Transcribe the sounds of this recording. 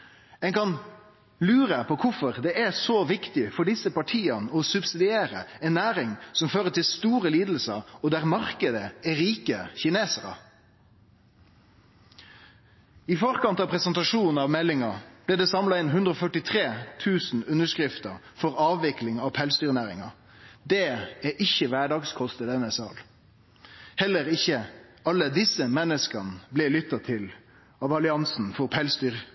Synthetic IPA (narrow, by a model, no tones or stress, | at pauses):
ɛŋkʰɑn | lʉːɾəpʰɔkʰʊfɔʁd̪ɛʔæsoʋɪkt̪ɪfɔɖɪsəpɑʈʰiːənəɔsʉbsɪd̪ɪeːʁə̰ɛnːæːɾɪŋsɔmføːʁət̪ʰɪlst̪uːʁəliːd̪l̩səɔd̪æʁmɑʁkəd̪əæʁiːkəçɪneːsəʁə̰ | ɪfɔʁkɑnt̪ɑpʰʁɛsənt̪ɑʂuːn̩ɑʋmɛlːɪŋɑb̥lɛːd̪ɛːsɑmlɑɪnɦʉnd̪ʁəɔfœʈɪt̪ʰʁeːt̪ʰʉːsn̩ʉnəʂkʁɪft̪əʁ | fɔʁɑːʋʋɪklɪŋɑʋpʰɛlsd̪yːʁnæːʁɪ̰ŋɑ | d̪ɛːæʔɪçəʋæːɖɑːɡskʰɔst̪əd̪ɛnəsɑ̰ːl | hɛlːəʁɪçəɑlːəd̪ɪsəmɛnəskənəblɛlʏt̪ːɑt̪ʰɪl | ɑʋɑlɪɑnsn̩fɔʁpʰɛlsd̪yːʁ